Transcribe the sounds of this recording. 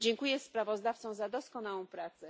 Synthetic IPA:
d͡ʑɛŋkujɛspɾavɔzd̪aft̪sɔ̃w̃zad̪ɔskɔnawɔ̃w̃pɾat̪sɛ

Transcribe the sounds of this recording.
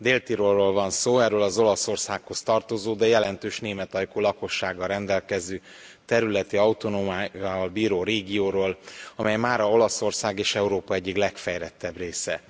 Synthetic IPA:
d̪eːlt̪iɾoːrːoːlvɒnsoːɛrøːlɒzo̞lɒso̞rsaːkho̞st̪ɒrt̪o̞zoːd̪ɛjɛlɛnt̪øːʃneːmɛt̪ɒjkoːlɒko̞ʃːaːɡːɒɾɛnd̪ɛlkɛzøː | t̪ɛɾylɛt̪iɒut̪o̞nomaːaːvɒlbiːɾoːɾeːɡioːɾoːlɒmɛjmaːɾɒo̞lɒso̞rsaːɡeːʃɛuɾoːpɒɛɟːiklɛkfɛjɾɛt̪ːɛbreːsɛ

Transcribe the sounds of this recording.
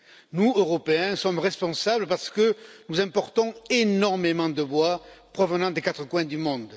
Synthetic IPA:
nuøʁɔpeɛ̃sɔmʁɛspɔ̃sabləpaʁsə̥kənuzɛ̃pɔʁt̪ɔ̃enɔʁmemɑ̃d̪əbwapχɔvənɑ̃d̪ekat̪χəkwɛ̃d̪ymɔ̃d̪

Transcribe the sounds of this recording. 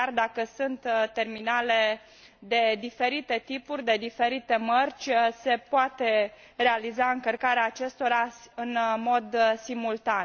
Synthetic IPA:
ard̪akəsunt̪t̪ːe̞rminale̞ | d̪e̞d̪ife̞ɾit̪e̞t̪ipurʲd̪e̞d̪ife̞ɾit̪e̞mərʲt͡ʃʲse̞poat̪e̞ | re̞alizaɨŋkərkaɾeaːt͡ʃe̞st̪o̞ɾaɨnmo̞d̪simult̪an

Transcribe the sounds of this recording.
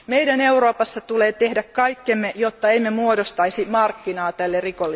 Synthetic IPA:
meijdæneuroːpɑsːɑt̪uleːt̪ehdækkɑikːemːejot̪ːɑeimːemuodost̪ɑisimɑrkːinɑːt̪ælːerikolːi

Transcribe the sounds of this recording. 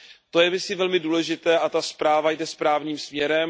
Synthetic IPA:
t̪ojɛvɪsɪvɛlmɪduːlɛʒɪt̪ɛːʔat̪aspɾaːvajdɛspɾaːvɲiːmsmɲɛɾɛm

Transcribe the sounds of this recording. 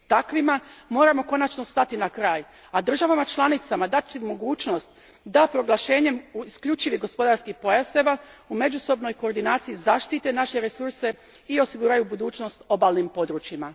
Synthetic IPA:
t̪akʋimamo̞ːɾamo̞ko̞nat͡ʃnost̪at̪inakɾaːj | ad̪r̩ʒaʋamat͡ʃlˠanit̪samad̪at̪imo̞ɡuːt͡ʃno̞st̪ | d̪apɾo̞ɡlˠaʃe̞ːɲe̞muiskʎut͡ʃiʋiɦɡo̞spo̞d̪aɾskixpo̞jaseʋaume̞d͡ʒuso̞bno̞jko̞ːɾd̪inaːt̪sijizaʃt̪it̪e̞naʃe̞ɾesuɾse̞ | io̞siɡuɾajubud̪uːt͡ʃno̞st̪o̞baːlˠnimpo̞d̪ɾut͡ʃjima

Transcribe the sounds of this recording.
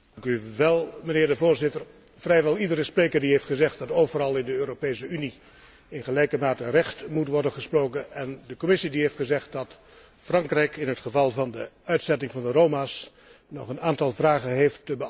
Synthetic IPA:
ŋkyʋɛlˠmənɪːɹdəvoːɹzɪtər | vrɛjʋɛlˠidəɾəspreːkərdiɦeftχəzɛχt̚d̥ɑtoːwvəɾɑlˠɪndəøːɾopejsəyni | ɪnχəlɛjkəmaːtərɛχtmutʋɔɹdənχəsproːwkənɛndəkomɪsidiɦejftχəzɛχt̚dɑt | frɑŋkrɛjkʰɪnɦətχəvɑlˠvɑndəœɥtsɛtɪŋvɑndəɾowmaːs | nɔ̰χənaːntɑlˠvraːɣənɦeːftːəbə

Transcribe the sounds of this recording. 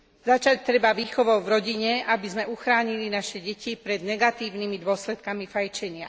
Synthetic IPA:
zat͡ʃac̚t̪ɾɛbaʋiːxɔʋɔʊvɾɔɟiɲɛʔabizmɛuxɾaːɲilinaʃɛɟɛcipɾɛd̪nɛɡat̪iːʊnimid̪ʊɔslɛt̪̚kamifajt͡ʃɛɲɪa

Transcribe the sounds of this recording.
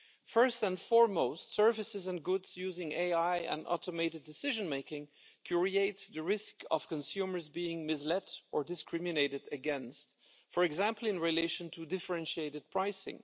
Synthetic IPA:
fɜ˞stə̃nfɔɹmoʊstsɜ˞vɨsɨzə̃nɡʊdz̥jʉzɪ̃ŋeɪaɪɨ̰̃nɔ̰ɾəmeɪɾɨdɨsɪʒɨ̃nmeɪkɪ̃ŋ | kʰj̥ʊɹieɪt̪ðɨɹɪskʌ̰v̥kə̃nsjʉmə˞zbiɪ̃ŋmɪslɛɾʔə˞dɨskʰɹɪmɨneɪɾɨdɨɡɛ̃nst | fəɹɨɡzæ̃mpl̩ˠɨ̃nɹileɪʃə̃ntʰudɪfə˞ɛ̃nʃieɪɾɨd̚pʰɹ̥aɪsɪ̰̃ŋ

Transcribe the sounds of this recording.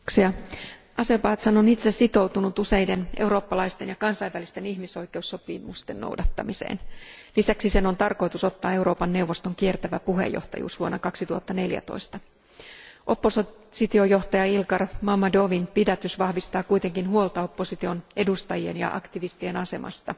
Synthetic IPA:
ksiɑ | ɑsepɑːt̪sɑnonit̪sesit̪o̞wt̪unut̪use̞jdene̞wɾo̞ːpːɑlɑist̪e̞njɑkɑnsɑjʋælist̪e̞niçmiso̞jke̞usːo̞pimust̪enːo̰wdɑt̪ːɑmisḛːnlisæksise̞no̞nt̪ɑrko̞jt̪uso̞t̪ːɑːe̞wɾo̞ːpɑnːe̞uwʋːo̞st̪o̞ŋkie̞rt̪æʋæpuɦḛjːo̞̰ht̪ɑ̰jṵːsʋuonːɑkɑksit̪uhɑt̪ːɑne̞ljæ̰t̪o̞̰ist̪ɑ | ʔo̞pːo̞ssit̪io̞jo̞ht̪ɑjɑilkɑrmɑmːɑdoʋinpidæt̪ysʋɑhʋist̪ɑːkujt̪e̞ŋkinɦuolˠt̪ɑo̞pːo̞sit̪io̞ne̞dust̪ɑjie̞̰njɑ̰ʔɑ̰kt̪iʋist̪ie̞nɑse̞mʔɑ̰st̪ɑ

